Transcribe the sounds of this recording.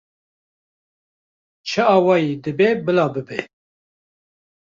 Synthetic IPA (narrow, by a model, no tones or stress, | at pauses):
t͡ʃʰɨɑːwɑːjed̪ɨbeːbɨlɑːbɨbe